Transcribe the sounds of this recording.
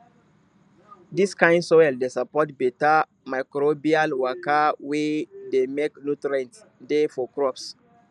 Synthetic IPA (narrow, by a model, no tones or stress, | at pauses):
diskãɪ̃ndsɔɛldesapɔtbɛta | makɾobialwakawedemeknutɾɛ̃nts | defɔkɹɔps